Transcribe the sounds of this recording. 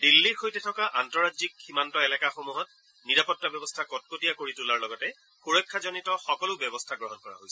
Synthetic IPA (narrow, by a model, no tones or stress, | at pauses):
dilːiɹxojtɛtʰɔkaʔantɔɹazikximantɔɛlɛkaxomuɦɔt | niɹapɔtːabɔbɔstʰakɔt̚kotijakoɹitulaɹlɔɡɔtɛ | xuɹɔjkʰːazɔnitɔxɔkɔlʊbjɔbɔstʰaɡɹɔɦɔnkɔɹa̰ɦojsɛ